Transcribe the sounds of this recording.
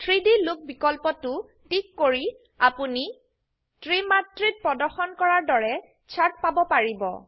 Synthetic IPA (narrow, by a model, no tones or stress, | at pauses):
tʰɹidilʊk̚bikɔlpɔtʊ | tikːoɹi | apuni | tɹimatɹit̚pɹɔdɔɹxɔnkɔɹaɹdɔɹɛ | t͡ʃʰatpabɔpaɹibɔ̰